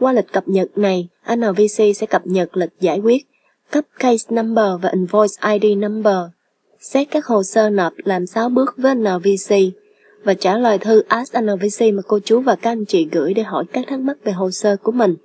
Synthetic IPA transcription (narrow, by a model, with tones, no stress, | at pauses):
kwaː˧lï˨˩k̟̚kə˨˩p̚ɲə˨˩t̚na˨˩jʔaː˧nəː˨˩vi˧si˧sɛ̰˧˥kə˨˩p̚ɲə˨˩t̚lï˨˩k̟̚zaː˧˩jkwi˦˥ət̚ | kə˦˥p̚kə˧jsna˧mɓəː˨˩vaː˨˩ʔi˨˩nvɔ˧jsʔaː˧jɗi˧na˧mɓəː˨˩ | sɛ˦˥t̚kaː˦˥k̚ho˨˩səː˧nɔ˨˩p̚laː˨˩msaː˨˧wɓɨ˦˥ək̚vəː˨˦jʔa˧naː˨˩vi˧si˧ | vaː˨˩t͡ɕaː˧˩lwaː˨˩jt̪ʰɨ˧ʔaː˨˦˥sʔaː˧nəː˨˩vi˧si˧maː˨˩ko˧t͡ɕu˨˦vaː˨˩kaː˦˧k̚nt͡ɕḭ˧˩ɣɨ̰˧˥˨jɗe˧˩ɦɔ̰˧˩jkaː˦˥k̚t̪ʰaː˦˥k̚ma˦˥k̚ve˨˩ɦo˨˩səː˧ku˧˩əmï˨˩ŋ̟